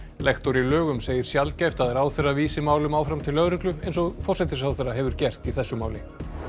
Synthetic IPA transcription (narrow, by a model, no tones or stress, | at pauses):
lɛxt̪ɔɾilœːɣʏmseːjɪɾ̥sjalt̪cajft̪aðɛɾaːwθɛrːaviːsɪmaːwlʏmaːwfɾamt̪ʰɪlːœɣɾɪklʏejnsɔɣfɔr̥sɛt̪ɪsawθɛraɦɛvʏɾ̥cɛr̥t̪iθɛsːʏmaːwlɪ